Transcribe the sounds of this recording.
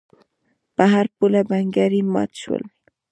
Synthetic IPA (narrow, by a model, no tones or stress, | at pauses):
paɦaɾpʊlabaŋɡaɾima̰t̪t͡ʃʊ̰l